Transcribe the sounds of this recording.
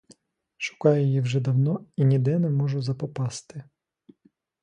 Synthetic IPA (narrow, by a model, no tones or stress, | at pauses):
ʃʊ̥kɑjʊjiwʒɛd̪ɐwnɔinʲid̪ɛnɛmɔʒʊzɐpɔpɑst̪ɪ